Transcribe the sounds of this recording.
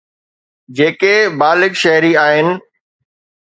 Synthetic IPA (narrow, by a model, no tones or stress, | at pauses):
d͡ʑeːkebaːlɪkʃɐɦɾiaːɦɪnɪ̆